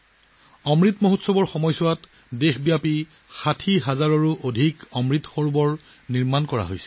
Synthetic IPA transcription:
ɔmɹitmoɦotsɔbɔɹxɔmɔjsʊwat | dexbijapi | xatʰiɦazaɹɔɹuʔodʱikɔmɹit̪xɔɹbɔɹ | niɹmankɔɹa̰ɦo̰jsɛ̥

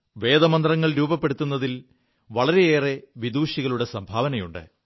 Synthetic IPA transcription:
ʋe̞ːd̪ɐmɐnd̪rɐŋːɐɭɾuːbɐpːe̞ɽut̪ːunːɐðil | ʋɐɭɐɾe̞eːre̞ʋid̪uːɕiɣɐɭuɽe̞sɐmbʱaːʋɐnɐjuɳɖɨ̰

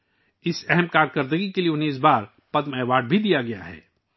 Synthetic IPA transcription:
ɪsɛɦɛmkaːɾkəɾd̪əɡikelieʊnɦeɪs̬baːɾ | pɐd̪mɛːʋaːɖ̚bʱid̪ijaɡɐja̰ɦɛ̰ː

